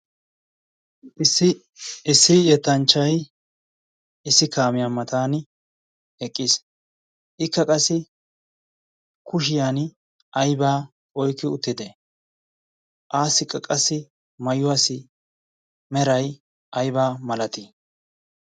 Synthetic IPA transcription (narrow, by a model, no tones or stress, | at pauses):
sɪ | ɪsːɪjɛt̪ːɐnt͡ʃːɐj | ɪsːɪkaːmɪjamɐt̪aːn | ɛkʼːɪs | ʔɪkːɐkʼɐsːɪ | kʊʃ̬ɪjan | ʔɐjbaː | ɔjkːɪʊt̪ːɪd̪ɛ | ʔaːsɪkʼːɐkʼɐsːɪ | mɐjʊaːsɪ | mɛɾɐj | ʔɐjbaːmɐlɐt̪i